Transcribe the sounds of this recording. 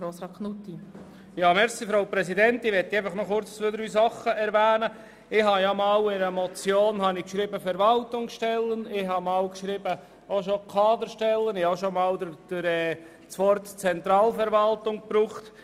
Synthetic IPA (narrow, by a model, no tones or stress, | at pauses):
ɾosɾɑkʰnut̪i | jɑːmɛɾsifɾowpɾɛsidɛntɪʋɛtːiɛɪfəχnɔχʊɾt͡sødəɾys̬ɑχəɛɾvæːnə | ɪhɑjamɑːwɪɾəmɔt͡sjoːnhɑnɪkʃɾibəfɛɾʋɑltʊŋʃtɛlːənɪɦɑmɑwkʃɾibə | oʃokʰɑːd̪əɾʃtɛlːənɪhaʃomɑːldd̥ɪɾɛː | t͡sʋɔɾtt͡sɛnt̪ɾɑːlfɛɾʋɑltʊŋpɾuːχt